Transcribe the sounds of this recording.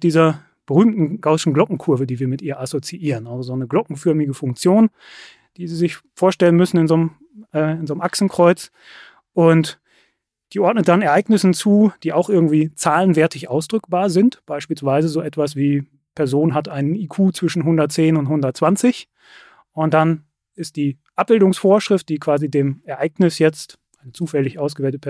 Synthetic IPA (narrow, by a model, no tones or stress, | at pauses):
d̥iːzɐ | b̥əʁyːmtn̩ɡ̥ɔʊʃn̩ɡlɔkŋ̩kʰʊɐvədiːviːɐmɪtʔiːɐʔasot͡siʔiːʁənalzozoːnəɡlɔkŋ̩fʏɐmɪɡəfʊŋk̚t͡sjoːn | d̥iːziːzɪçfoːɐʃtɛlənmʏsn̩ɪnzom | ɛːɪnzoːnmʔaksn̩kʁ̥ɔʏt͡s | ʔʊnt | d̥iːʔɔɐtnət̚d̥anɛɐʔaɪɡnɪsn̩t͡suːd̥iːaʊxʔɪɐɡŋ̩tv̥iːt͡saːlənvɛɐtʰɪçʔaʊsd̥ʁʏkb̥aːɐzɪntb̥aɪʃpiːlsv̥aɪzəzoːʔɛtv̥as̬v̥iː | pʰɛɐzoːnɦatʔaɪnəniːkʰuːt͡sv̥ɪʃn̩ɦʊndɐt̚t͡seːnʊnthʊndɐt̚t͡sv̥ant͡sɪç | ʊnt̚d̥an | ɪst̚d̥iːʔap̚b̥ɪldʊŋsfoːɐʃʁ̥ɪft̚d̥iːkv̥aːzideːmɛɐʔaɪɡnɪsjɛt͡st | ʔaɪnət͡suːfɛlɪçʔaʊsɡəvɛːltəpʰɛ